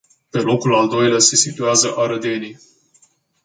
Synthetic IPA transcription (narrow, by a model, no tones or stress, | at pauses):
pe̞lo̞kulald̪o̞jlease̞sit̪uazəʔaɾəd̪e̞ni